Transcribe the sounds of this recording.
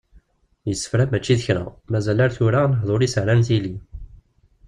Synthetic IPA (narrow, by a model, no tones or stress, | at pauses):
jəsːə̥fɾæmæt͡ʃːiðəçɾæ̰mæzælaɾθʊɾanəɦðˤoɾisəʕɾænθili